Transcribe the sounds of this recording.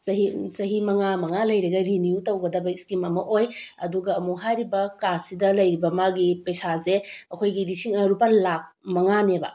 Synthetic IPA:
sɐɦisɐɦimɐŋamɐŋalɐjɾeɡɐɾinijutɐwɡɐdɐbɐiskimɐmɐʔojɐduɡɐːmuɦajɾibɐkasidɐlɐjɾibɐmaɡipejsazeɐkʰojɡiɾisiŋɐɾupɐlak̚mɐŋanebɐ̰

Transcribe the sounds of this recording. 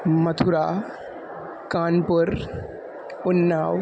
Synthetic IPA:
mɐt̪ʰʊɾaː | kaːnpʊɾ | ʊnːaːw

